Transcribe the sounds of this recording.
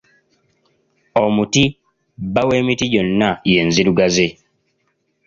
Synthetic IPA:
ɔmuti | bawemitid͡ʒɔnːajenziɾuɡaze

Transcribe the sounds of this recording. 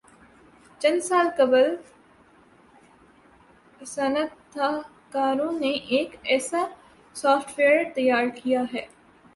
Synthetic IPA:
t͡ʃɐnsaːlkɐbəl | sɐnə | a | kaːɾõːneʔeːkɛːsaː | saːfʈʋeːəɾt̪ɐjaːɾkʰijaɦɛː

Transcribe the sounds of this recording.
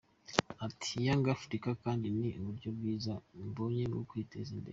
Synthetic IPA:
atʰijaŋɡafɾikakaːndiniʔuβuɾɟo̞b̚ɡiːzamboɲenɡo̰kwiːtezindḛ

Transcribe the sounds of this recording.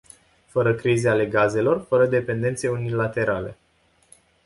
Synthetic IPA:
fəɾəkɾizeale̞ɡaze̞lo̞rfəɾəd̪e̞pe̞nd̪e̞nt̪se̞unilat̪e̞ɾʔale̞̰

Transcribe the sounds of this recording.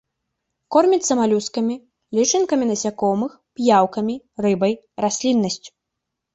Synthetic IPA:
kɔrmʲit͡sʲsɐmalʲuskɐmʲi | lʲit͡ʂɨnkɐmʲinɐsʲakɔmɨxpjawkɐmʲirɨbɐj | rasʲlʲinːɐsʲt͡sʲu̥

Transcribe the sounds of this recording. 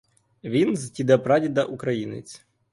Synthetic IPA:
ʋʲinztʲid̪ɐpɾadʲid̪ɐʔukɾɐjinɪ̰t͡sʲ

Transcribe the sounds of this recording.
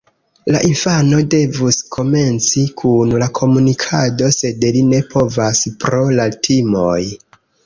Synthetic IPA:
la̰ʔinfano̞de̞vuskʰo̞me̞nt͡sikʰunlakʰo̞munikʰado̞se̞dline̞pʰo̞vaspɾo̞laltʰimo̞̰j

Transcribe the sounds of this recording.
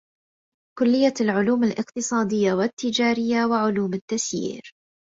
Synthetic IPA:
kʊlːɪjːalʕʊluːmalʔɪqt̪ɨsˤɑːd̪ɪjːawɪt̪ːɪd͡ʒaːɾɪjːawɪʕʊluːmɪt̪ːasjḭːɾ

